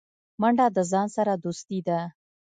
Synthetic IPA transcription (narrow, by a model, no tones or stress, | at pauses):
maɳɖɑd̪əzɑnsaɾad̪ust̪id̪a